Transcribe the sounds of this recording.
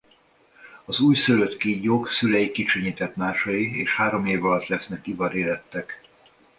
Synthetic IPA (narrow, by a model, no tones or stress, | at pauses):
ɒzuːjsøløt̪kiːjoksylɛjikit͡ʃøɲiːt̪ɛt̪maːʃɒjiḛːʃhaːɾo̞meːvɒlɒt̪lɛsnɛkivɒɾeːlɛt̪ːɛk